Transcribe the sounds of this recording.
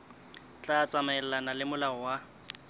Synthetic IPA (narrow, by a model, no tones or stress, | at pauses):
t͡ɬʼat͡sʼamɛɛl̩lanalɪmʊlaɔwa